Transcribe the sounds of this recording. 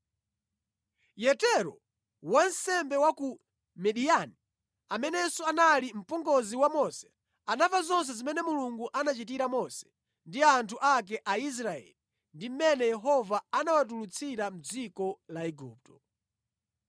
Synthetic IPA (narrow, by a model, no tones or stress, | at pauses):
jɛtɛɾɔ̰ | wan̩sɛmbɛwaku | mɛɗiani | amɛnɛsɔanalim̩pɔŋɡɔziwamɔsɛ̥ | anavazɔns̬ɛzimɛnɛmuluŋɡuʔanat͡ʃit̬iɾamɔsɛ̥ | ndiantʰuʔak̬ɛʔais̬ɾaɛ̰li | ndim̩mɛnɛjɛɦɔvaanawat̬ulut͡sʰiɾam̩d͡zikɔlaɛɡuːp̚tɔ̥